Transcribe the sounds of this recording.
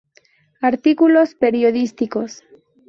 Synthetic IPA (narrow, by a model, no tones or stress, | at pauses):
aɾt̪ikulo̞spe̞ɾjoðist̪iko̞s